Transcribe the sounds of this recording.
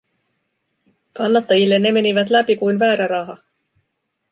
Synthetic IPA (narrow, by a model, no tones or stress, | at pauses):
kɑnːɑt̪ːɑjilːe̞nːe̞me̞niʋæt̪læpikujnʋæːɾæɾɑɦɑ